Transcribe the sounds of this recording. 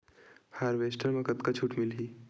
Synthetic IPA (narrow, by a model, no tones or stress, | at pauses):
haːɾʋesʈəɾmẽkət̪kat͡ʃʰuʈmɪlɦiː